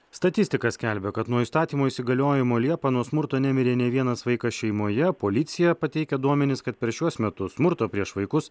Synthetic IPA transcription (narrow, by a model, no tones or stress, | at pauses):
st̪ɐt̪ʲɪsʲt̪ʲɪkɐsʲkʲɛlʲbʲɛkɐt̪nuɔiːst̪ɑːt̪ʲiːmoːisʲɪɡɐlʲoːjɪmoːlʲiɛpɐːnuɔsmʊɾt̪oːnʲæmʲɪɾʲeːnʲɛʋʲiɛnɐsʋɐɪkɐsʃʲɛɪmoːjɛpoːlʲɪt̪sʲɪjɛpɐt̪ʲɛɪkʲɛd̪uɔmʲɛnʲɪskɐt̪pʲɛɾʃʲuɔsmʲɛt̪ʊsmʊɾt̪oːpʲɾʲiɛʃʋɐɪkʊs